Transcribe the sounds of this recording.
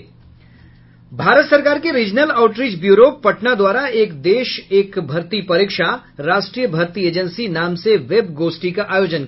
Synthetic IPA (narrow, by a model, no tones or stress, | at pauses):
bʱaːɾət̪sɐɾkaːɾkeɾiːd͡ʒnəlaːʊʈɾiːd͡ʒbjuːɾopɐʈnad̪waːɾaeːkd̪eːʃeːkbʱɐɾt̪ipɐɾɪːkʃaɾaːʃʈɾiːjəbʱɐɾt̪ieːd͡ʒə̃nsinaːmseʋebɡoːsʈikaʔaːjoːd͡ʒən